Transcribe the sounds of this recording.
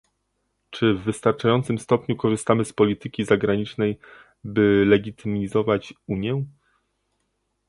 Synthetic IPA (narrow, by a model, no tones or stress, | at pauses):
t͡ʂɘvːɘst̪aɾt͡ʂajɔnt̪sɘmst̪ɔpɲukɔʐɘst̪amɘspɔlʲit̪ɘkʲizaɡɾaɲit͡ʂnɛj | bɘlɛɡʲit̪ʰɘmʲizɔvat͡ɕuɲjɛ